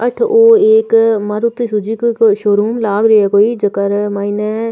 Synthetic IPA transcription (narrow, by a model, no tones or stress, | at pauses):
əʈʰoːeːkmɐɾʊt̪ːesud͡ʒikokoʃoːɾuːmlaːɡɾɐɛkoːid͡ʒɐkəɾmaːine